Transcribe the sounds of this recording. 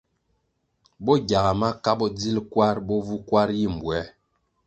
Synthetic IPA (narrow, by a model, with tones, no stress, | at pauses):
bɔ˦ɡa˨ɣa˨ma˦ka˦bɔ˦d͡zi˦lkwa˦ɾbɔ˦vu˦kwa˦ɾji˦˨m̩˨bwɛ˨˦